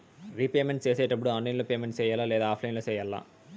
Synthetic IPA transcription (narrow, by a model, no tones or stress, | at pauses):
ɾiːpeːmeɳʈt͡ʃeːseːʈɐp̬ːuɽuaːnlɐjnloːpeːmeɳʈt͡ʃɛːjaːlaːlɛːd̪aːpʰlɐjnloːt͡ʃɛːjaːlːa̰